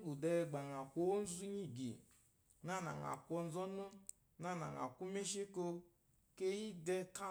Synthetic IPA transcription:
ɡu˨dɛ˧˦˨ɡ͡ba˨ŋa˨kʷo˦n̩˦zu˦ɲi˦ɡḭ˨ | na˦na̰˨ŋa̰˨kʷo˧n̩˦zɔ˦nu˦ | na˦˨na̰˨ŋa̰˨ku˦me˦ʃe˦ko˧ | ke˦ji˦dɛ˧ka˦

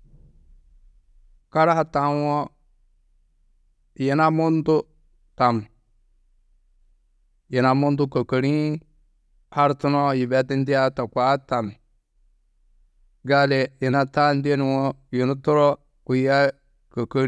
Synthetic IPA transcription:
ka˦ɾa˦ha˨ta˨˦nwɔ˦ | ji˨na˦mu˦ntu˦ | ta˨m | ji˨na˨mu˦ndu˦kə˨kə˨ɾi˦ | ha˦ɾtu˦no˦ji˨be˦ti˦n˦di˦ja˦ta˨kʷa˦ta˨m | ɡa˦le˨ji˨na˦ta˦nde˦n˨wɔ˦ji˨nu˦tu˦ɾo˦ | ku˨ja˦ | kə˨kə˦ɾ

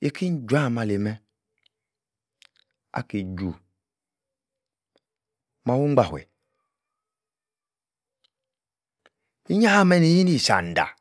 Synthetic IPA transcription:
e˨ki˦n˦d͡ʒu˦a˦˨ma˨le˨mɛ˦ | a̰˨ke˨d͡ʒu˨ | ma˦wu˦a˨hwḛ˨ | i˦ɲa˦ha˦mɛ˦ni˨ji˦ni˦˨sa̰˨n˨da̰˨

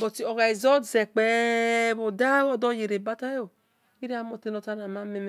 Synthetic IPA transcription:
bɔ˨ti˨ɔ˨ɡa˨i˨zɔ˦˨zɛ˨k͡pɛ˨˦bo˨da˦wɔ˦dɔ˦je˨ɾe˨ba˦ta˦jo˨ | i˦ɾi˦a˦mo˨te˦no˨ta˦na˨ma˦me˦m˨

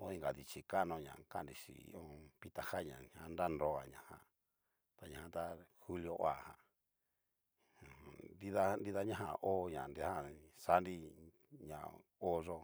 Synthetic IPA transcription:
o˦i˧ŋɡa˨ði˧t͡ʃi˧ka˦nõ˧ɲã̰˨ka˦˨nɾi˧ʂḭ˨ḭ˦õ˦pi˧t̪a˧ha˦˨ɲã̰˨ɲã˧˦nɾa˦nɾo˧a˨ɲã˨hã̰˧˨ | t̪a˨ɲã˨hã˧t̪a˦xu˦ljo˧ʔo˦a˨hã̰˨ | di˦ða˦ndi˦˧ða˦ɲã˦ɦã̰˧˨ʔo˦ɲã̰˨ni˧˦a˦sa˦nɾi˦ | ɲã̰˨o˦ʐo˦

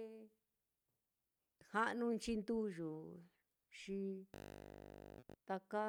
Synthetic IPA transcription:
ha˦ʔnũ˧nt͡ʃi˧nd̪u˦ʒu˨ | ʃi˧ | t̪a˧ka˦

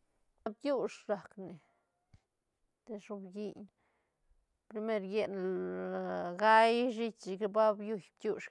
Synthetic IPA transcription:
a˦b̚t̪ju˦ʂɾa˨kne˨ | t̪e˧ʂu˧bɡi˦ɲ | pɾi˧me˦˧ɾje˦˧n | ɡa˦jʐi˦t͡ʃʃi˧kba˦bju˧jb̚t̪ju˦ʃ

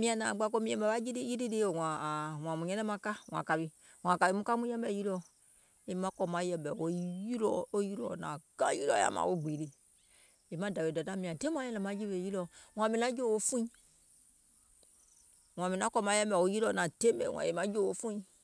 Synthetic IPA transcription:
mĩ˦ã˧nã˨ɡ͡ba˧k̬o˦mĩ˨˦ɛ̃˨bɛ˨ba˦d͡ʒi˦ɾi˦ji˦ɾi˦ɾe˦o˨wã˨w̃ã˨mũ˨ɲɛ̃˦nɛ̃˦mã˧˨ka˦w̃ã̰˨ka˨βi˨ | wã˨ka˨bi˨mũ˦ka˦mũ˦ɛ̃˦bɛ˦˨˦ji˦lɔ˧ | e˨mã˨˦kɔ˧mã˨˦jɛ˨mbɛ˨wo˨˦ji˦lɔ˦o˦ji˦lɔ̰˦˨nã̰˨ɡã̰˦ji˦lɔ̰˦ja̰˨mã̰˨o˦ɡ͡bi˨ɾi˨ | e˨mã˦da˨be˨da˨ta˦mĩ˨ã˨tẽ˦ũ˦ã˦ɛ̃˦ɛ̃˨mã˨˦d͡ʒi˦be˨ji˦lɔ˧wã˨mĩ˨nã˦d͡ʒo˦˨o˦fũ˦ĩ˦ | w̃ã˨mĩ˨nã˦kɔ˦˧mã˦jɛ̃˦mbɛ˨o˨˦ji˦lɔ˧˨nã˨te˦bɛ̰˨wã̰˨e˨mã˦d͡ʒo˦˨o˦fũ˦ĩ˦

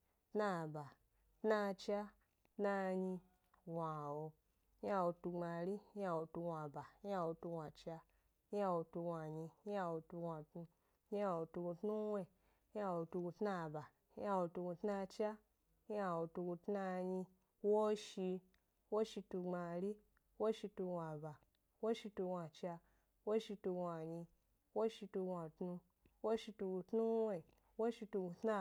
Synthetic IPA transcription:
tna˧˨ba˨ | tna˧t͡ʃa˦ | tna˧ɲi˧ | wa˨wo˧ | ɲ˦a˧wo˧tu˧ŋ͡ma˧˨ɾi˦ɲ˦a˧wo˧tu˧wa˨ba˨ɲ˦a˧wo˧tu˧wa˨t͡ʃa˧ | ɲ˦a˧wo˧tu˧wʷa˨ɲi˧ɲ˦a˧wo˧tu˧wʷa˨tnu˧ | ɲ˦a˧˨wo˧tu˧ɡu˧tnu˦we˧˦ | a˧wo˧tu˧ɡu˧tna˧˨ba˨ | ɲi˦a˧wo˧tu˧ɡu˧tna˧t͡ʃa˦ | ɲi˦a˧wo˧tu˧ɡu˧tna˧ɲi˧ | wo˦ʃi˧ | wo˦ʃi˧tu˧ŋ͡ma˧ɾi˦ | wo˦ʃi˧tu˧ɡʷa˨ba˨ | wo˦ʃi˧tu˧ɡʷa˧t͡ʃa˧ | wo˦ʃi˧tu˧ɡa˨ɲi˧ | wo˦ʃi˧tu˧ɡʷa˨tnu˧ | wo˦ʃi˧tu˧ɡu˧tnu˦we˧˨ | wo˦ʃi˧tu˧ɡu˧tna˦˧

